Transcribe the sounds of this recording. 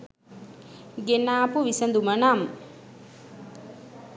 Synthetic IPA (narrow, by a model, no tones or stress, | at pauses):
ɡenaːpuʋisənd̪umənam